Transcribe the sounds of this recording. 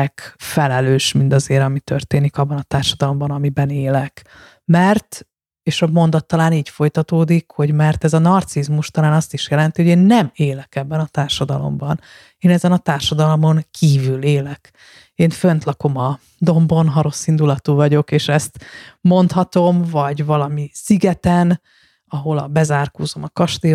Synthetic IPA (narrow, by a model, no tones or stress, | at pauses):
kfɛlɛløːʃmind̪ɒzeːɾɒmit̪ørt̪eːnikɒbːɒnɒt̪aːrʃɒd̪ɒlo̞mbɒnɒmibɛneːlɛk | mɛrt̪ | eːʃɒmo̞nd̪ɒt̪ːɒlaːniːɟfo̞jt̪ɒt̪oːd̪ikho̞ɟmɛrt̪ɛzɒnɒrt̪sizmuʃt̪ɒlaːnɒst̪iʃjɛlɛn̪t̪iho̞ɟeːnːɛmeːlɛkɛbːɛnɒt̪aːrʃɒd̪ɒlo̞̰mbɒn | eːnɛzɛnɒt̪aːrʃɒd̪ɒlomo̞ŋkʰiːvyleːlɛk | eːnfønt̪lɒko̞mɒ | d̪o̞mbo̞nɦɒɾo̞sːind̪ulɒt̪uːvɒɟo̞keːʃɛst̪mo̞nt̪hɒt̪o̞mvɒɟvɒlɒmisiɡɛt̪ɛn | ɒɦo̞lɒ̰bɛzaːrko̰ːzo̞mɒkɒʃt̪eː